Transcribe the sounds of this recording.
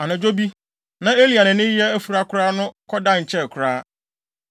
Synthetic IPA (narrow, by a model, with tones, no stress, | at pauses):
a˨nã˨d͡ʑo˦bi˦ | nã˨e˦li˨a˨nɪ̃˨nɪ̃˦jɛ˦æ˦fu˨ɾa˦kʰʷɾaː˦nʊ̃˦kʰɔ˦dã˦˨ɲ̩˨t͡ɕʰɛ˦˨kʰʊ˨ɾaː˦